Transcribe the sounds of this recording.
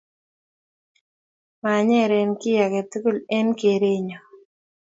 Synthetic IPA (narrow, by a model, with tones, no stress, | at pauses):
ma˨ɲɛ˦ɾɛ˨nkɪ˦ja˨kɛ˨t̪u˦ku˦lɛ˦nke˨ɾe˦ɲɔ˨